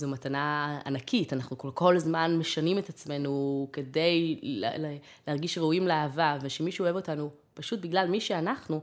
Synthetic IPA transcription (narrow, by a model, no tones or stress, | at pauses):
zumatanaa̰nakʰitanaχnukoko̞lzmanme̞ʃanimetat͡sme̞nuke̞de̞jl̰le | lehaʁɡiʃʁeuimleaːvaveʃemiʃuoe̞vo̞tanu | paʃut̚biɡlalmiʃeanaχnu